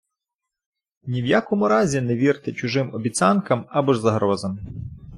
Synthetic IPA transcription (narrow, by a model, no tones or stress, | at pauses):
nʲiwjakɔmʊɾɑzʲineʋʲirt̪ɪt͡ʃʊʒɪmɔbʲit͡sʲɑnkɐmɐbɔʒzɐɦɾɔzɐm